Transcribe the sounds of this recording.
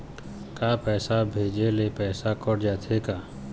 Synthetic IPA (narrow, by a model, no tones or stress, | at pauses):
kaːpɛːsabʱeːd͡ʒelepɛːsakəɽd͡ʒaːt̪ʰekaː